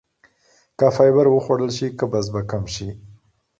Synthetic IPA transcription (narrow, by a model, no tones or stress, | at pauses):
kafɑjbaɾwəxwaɽəlʃikəbas̬bakamʃi